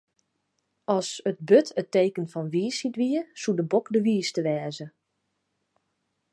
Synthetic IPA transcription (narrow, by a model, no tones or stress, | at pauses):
ɔsət̚bøtʰətejkənfɔnʋiːsitʋiəsudəbokdəʋiːstəʋɛːzə